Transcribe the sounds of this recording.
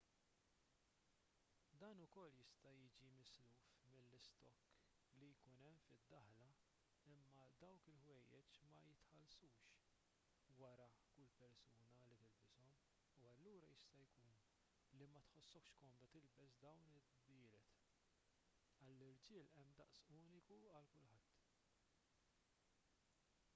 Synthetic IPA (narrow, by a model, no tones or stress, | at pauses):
d̪ɐːnʊkɔlːjɪst̪ɐjiːd͡ʒimɪsluːfmɪlːɪst̪ɔkː | lijkuːnɛmːfɪd̪ːɐħlɐ | ɪmːɐd̪ɐwkɪlħwɛjːɛ̰t͡ʃmɐjɪt̪ħɐlsuːʃ | wɐɾɐkʊlːpɛɾsuːnɐlit̪ɪlbɪsɔm | uɐlːuːɾɐjɪst̪ɐjkuːn | limɐt̪ħɔsːɔkʃkɔnd̪ɐt̪ɪlbɛsd̪ɐwnɪ | d̪ɪːlɛt̪ | ɐlːɪɾd͡ʒɪːlɛmːd̪ɐʔsuːnɪkuɐlkʊlħɐt̪ː